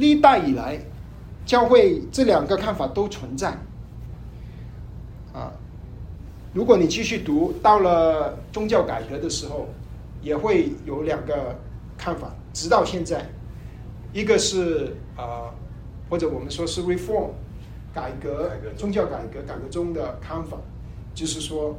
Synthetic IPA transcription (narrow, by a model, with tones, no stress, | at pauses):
li˥˧˥t̪a˥˩ɪi˨˩la˧˥ɪ | t͡ɕjɑ˥ʊxwe˥˩˧ɪʈ͡ʂɤ˥˩ljɑ˨˩ŋɡə˦kʰa˥˩nfa˨˩t̪o˥ʊt͡sʰwə˧˥nt͡sa˥˩ɪ | ə̰˧˩ | ɻu˧˥kwɔ˧˥˦ni˨˩t͡ɕi˥˧ɕy˥˩t̪u˧˥t̪ɑ˥˩ʊlə˨˩t͡sʊ˥ŋt͡ɕjɑ˥˩ʊka˨˩ɪkɤ˧˥d̪ə˧ʂɻ̩˧˥xo˥˧ʊ | jɛ˨˩xwe˥˩ɪjo˨˧˥ʊljɑ˨˩ŋɡə˦ | kʰa˥˩nfa̰˨˩˦ʈ͡ʂɻ̩˧˥t̪ɑ˥˧ʊɕjɛ˥˧nt͡sa˥˩ɪ | i˧˥ɡə˧ʂɻ̩˥˩ | ə˧˩ | xwɔ˥˩ʈ͡ʂɤ˧˩wɔ˨˩mə˦nʂwɔ˥ʂɻ̩˥˩ɹi˧˥˩fɔ˥˩m | ka˨˩ɪkɤ˧˥˧t͡sʊ˥ŋt͡ɕjɑ˥˩ʊka˨˩ɪkɤ˧˥ka˨˩ɪkɤ˧˥ʈ͡ʂʊ˥ŋd̪ə˨kʰa˥˩nfa̰˨˩˦ | t͡ɕjo˥˧ʊʂɻ̩˥˩ʂwɔ˥